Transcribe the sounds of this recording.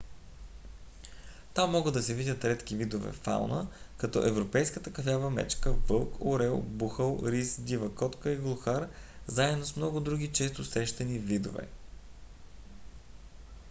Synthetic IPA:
t̪amːɔɡəd̪ɐsɛvidʲət̪ɾɛt̪k̟ivid̪ovɛ̰fa̰lnəkɐt̪ɔ̰ʔɛvɾopɛjskət̪əkɐfavəmɛ̰t͡ʃkəvɤlˠkʰoɾɛlˠbuxəlˠɾisd̪ʲivəkɔt̪kəiɡlˠuxaɾzaɛd̪nosmnɔɡʊd̪ɾuɡʲit͡ʃɛst̪ʊsɾɛʃt̪ɐnivid̪o̰vɛ̰

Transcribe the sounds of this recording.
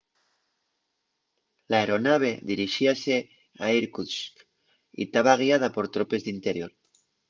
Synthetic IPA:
laeɾo̞naβ̞e̞ðiɾiʃiase | aiɾkusk | ḭt̪aβaɣ̞iað̞apo̞ɾt̪ɾope̞zðint̪eɾjo̞ɾ

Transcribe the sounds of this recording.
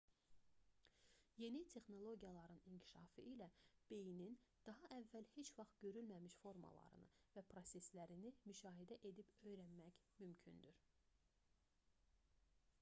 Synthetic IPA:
je̞nit̪ʰe̞xno̞lˠo̞ɟijɑlˠɑɾɯniɲcʰi̥ʃɑːfɯ̰ʔilæb̥e̞jinind̪̥ɑɦɑʔævːælhe̞t͡ʃvɑχt̪̚ɟø̞ɾylmæmiʃfo̞ɾmɑ̰lˠɑ̰ɾɯ̰nɯ̰væpʰɾo̞se̞slæɾinimyʃɑːɦid̪æʔe̞d̪ipø̞jɾænmæçmymcʰy̰nd̪yɾ̥

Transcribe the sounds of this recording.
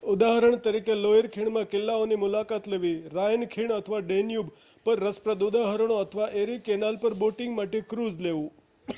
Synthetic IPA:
ʊd̪aɦəɾəɳt̪əɾikeloeɾkʰiɳ̃mãkɪlːaonimʊlakat̪leʋiɾajnkʰiɳət̪ʰəʋaɖenjub | pəɾːəspɾəd̪ʊd̪aɦəɾəɳ̃oət̪ʰəʋaʔeɾikenalpəɾboʈɪŋɡmaʈekɾuzleʋũ

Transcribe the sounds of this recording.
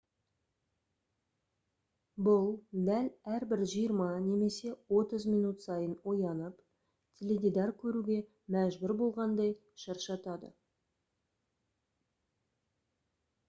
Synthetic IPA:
bʊlˠd̪ælæɾbɪɾʒijəɾmɑne̞me̞se̞wo̞t̪əzmijnut̪sɑjənwo̞jɑnəp | t̪ʲʰele̞d̪ʲijd̪ɑɾkʲʰɵɾuɡʲe̞ | mæʒbʏɾbo̞lˠʁɑnd̪ɑj | ʃɑɾʃɑt̪ɑd̪ə̰

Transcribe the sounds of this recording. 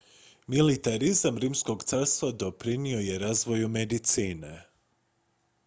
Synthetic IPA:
milit̪aɾizamɾiːmsko̞ɡt̪saːɾst̪ʋad̪o̞pɾinio̞je̞ɾaːzʋo̞jumed̪it̪siːne

